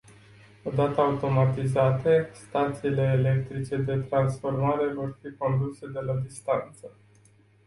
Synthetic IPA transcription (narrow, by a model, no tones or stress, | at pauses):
o̞d̪at̪əaut̪o̞mat̪izat̪e̞st̪at̪siːle̞ːle̞k̚t̪ɾit͡ʃe̞d̪e̞t̪ɾansfo̞rmaɾe̞vo̞rfiko̞nd̪use̞d̪e̞lad̪ist̪ant̪sə